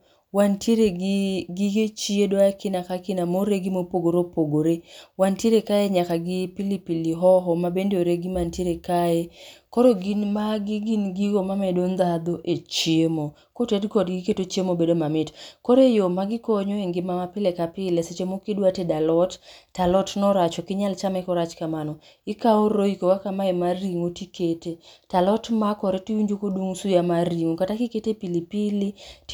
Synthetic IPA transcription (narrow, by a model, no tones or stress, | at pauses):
wantjeɾeɡɪɡet͡ʃiedwakɪnakakɪnamoɾeɡimopoɡoɾopoɡoɾewantjeɾekaeɲakaɡɪpilipiliɦɔɦɔmabendoɾeɡɪmantjeɾekaekɔɾoɡinmaɡɪɡinɡiɡomamɛdond̪ad̪oʔet͡ʃjemo | kotɛdkɔdɡiketot͡ʃjemobedomamɪtkɔɾejomaɡɪkoɲoeŋɡɪmamapɪlekapɪleset͡ʃemokidwatedalɔttalɔtnɔɾat͡ʃɔkɪɲalt͡ʃamɛkɔɾat͡ʃkamanɔ | ɪkaoɾoikokakamaɛmariŋotiketetalɔtmakɔɾetiuɲd͡ʒokoduŋsujamaɾiŋokatakiketepilipɪli